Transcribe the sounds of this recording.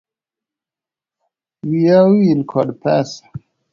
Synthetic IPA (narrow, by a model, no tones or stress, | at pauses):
wiawiinkʰɔdpʰɛsḁ